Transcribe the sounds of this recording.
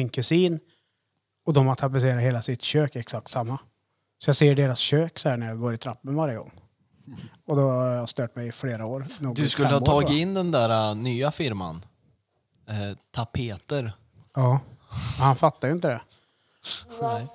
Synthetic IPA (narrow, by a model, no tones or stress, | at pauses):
ɪnkʰɵsiːn | ɔd̪ɔmat̪ʰːap̬ɪs̬eːɾaheːlasɪt̪ɕøːkɛksak̚t̪samːa | sɔjɑːɡseːəɖeːɾasɕøːksɔhæːɳæɾjaɡoːɾɪt̪ʰɾapːənvaɾjəɡɔ̰ŋː | ɔd̪ɔhhaɾjast̪øːʈmɛjɪfleːɾaoːɾnuːɡd̪ɵskɵlːəhɑt̪ʰɑːɡɪɪnːd̪ɛnd̪æːɾanyːafɪɾma̰n | t̪ʰapʰeːt̪əɾ | ɑːɛhanfat̪ːajʏɪnt̪əd̪ɛ | ɛ